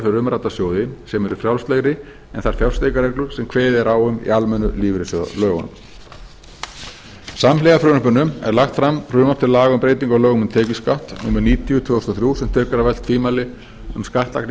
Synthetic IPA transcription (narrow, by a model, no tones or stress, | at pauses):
fɪɾɾʏmɾaːt̪asjoːwðɪsɛmɛɾʏfɾjawlseɣɾɪ | ɛnθaɾ̥fjawl̥st̪ejkaɾejklʏɾ̥sɛmkʰvɛːðɪɾawʏmḭalmɛnːʏ̰liːvɾɪsðlœːɣɔ̰nm | samlɛɣafɾʏːnʏpʏnːʏmɛ̰ɾlaxt̪fɾamr̥ʏːmapt̪ʰɪllaːɣʏmpɾeːjt̪iŋkɔlœːɣʏmʏmt̪ʰɛːcɪskaht̪nuːmʏɾniːt̪iʏt̪ʰvʏːɔst̪ɔθɾjusɛmt̪ʰœːkaɾavɛlt̪fiːmalɪ | ʏmskaht̪la̰kn